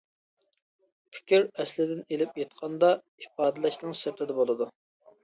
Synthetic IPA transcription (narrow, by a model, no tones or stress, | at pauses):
pʰɪ̥kʲiɾɛslɪd̪ɪnelɪpjet̪qʰɑnd̪ɑ | ipɑːd̪lɛʃnɨŋsɛp̚t̪ʰɪd̪ɛbolˠɨd̪u